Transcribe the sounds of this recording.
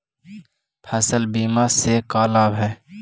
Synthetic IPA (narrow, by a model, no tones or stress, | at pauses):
pʰɛːsəlbiːmasekaːlaːbɦɛː